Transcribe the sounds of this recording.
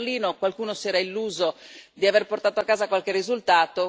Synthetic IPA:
liːnokwalkuːnosɛːɾailːuːzod̪iaverport̪aːt̪oakːaːzakwalkerːizult̪aːt̪o

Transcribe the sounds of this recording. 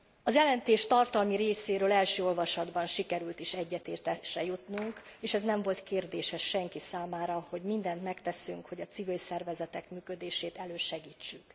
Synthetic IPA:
ɒzjɛlɛnt̪eːʃt̪ɒrt̪ɒlmiɾeːseːɾøːlɛlʃøːo̞lvɒʃɒd̪bɒnʃikɛɾylt̪iʃɛɟːɛt̪eːrt̪ɛʃɛjut̪nuŋkeːʃɛznɛɱvo̞lt̪keːrd̪eːʃhɛʃʃɛŋkisaːmaːɾɒho̞ɟmind̪ɛnt̪mɛkt̪ɛsyŋkho̞ɟɒt̪sivilsɛrvɛzɛt̪ɛkmyːkø̞d̪eːʃeːt̪ɛløːʃɛɡiːt͡ʃːyk

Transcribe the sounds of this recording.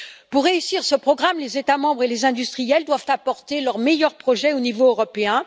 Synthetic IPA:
puʁːeysiʁsəpχɔɡʁamlezet̪amɑ̃bʁelezɛ̃d̪yst̪χijɛld̪wavt̪apɔʁt̪elœʁmejœʁpχɔʒɛonivoøʁɔpeɛ̃

